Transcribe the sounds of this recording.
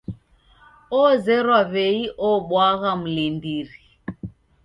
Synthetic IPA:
ɔzɛɾwaβɛiʔɔɓwaɣam̩lindiɾi

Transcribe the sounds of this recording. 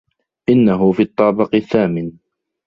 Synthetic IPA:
ʔɪnːaɦʊfiːɑt̪ˤːɑːbɪqθːaːmɪn

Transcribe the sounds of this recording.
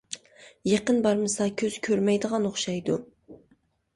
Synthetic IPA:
jeqənbɑɾmɨsɑkʲʰøzkʲʰøɾmɛjd̪əʁɑnoχʃɑjd̪u

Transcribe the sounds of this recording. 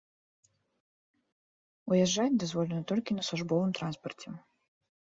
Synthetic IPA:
ujɛʐːat͡sʲd̪azvɔlʲɛnɐt̪ɔlʲkʲinɐsˠuʐbɔvɨmt̪ɾanspɐrt͡sʲɛ

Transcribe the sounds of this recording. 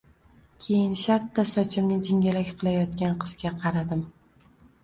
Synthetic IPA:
kʲʰe̞jɪnʃat̪ʰːasɒt͡ʃʰɪmnɪd͡ʒɪŋʲalakʲqʰɨlˠajɒt̪kʲanqʰɨz̥ɡʲaqʰɑɾad̪ɪm

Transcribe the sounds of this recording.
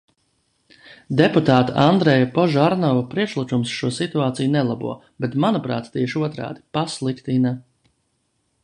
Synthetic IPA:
d̪eput̪aːt̪aand̪ɾɛjapɔʒaɾnɔvapɾiɛkʃlˠikumsʃuɔsit̪uaːt̪sijnɛlˠabṵɔ | bet̪manupɾa̰ːt̪t̪iɛʃuɔt̪ɾa̰ːd̪i̥paslˠikt̪ina

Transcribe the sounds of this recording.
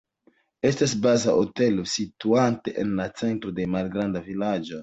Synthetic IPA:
e̞stas̬bazaʔote̞lo̞situante̞ʔenlat͡se̞ntɾo̞de̞malɡɾandavilad͡ʒo̞

